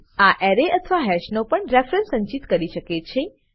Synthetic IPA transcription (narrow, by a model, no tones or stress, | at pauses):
aʔɛɾeʔət̪ʰʋaɦɛʃnopəɳɾefɾənsə̃ɲt͡ʃit̪kəɾiʃəket͡ʃʰe